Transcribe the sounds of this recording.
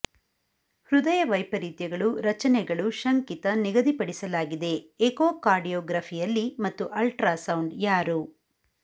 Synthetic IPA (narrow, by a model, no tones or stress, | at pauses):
hɾud̪ɐjɐʋɐjpɐɾiːt̪jɐɡɐɭuɾɐt͡ʃɐnɛɡɐɭuʃɐŋkit̪ɐniɡɐd̪ipɐɽisɐlaːɡid̪e̞ekoːkaːɾɖijɔːɡɾaːpʰijɐlːimɐt̪ːuʔɐlʈɾaːsɐwɳɖjaːɾu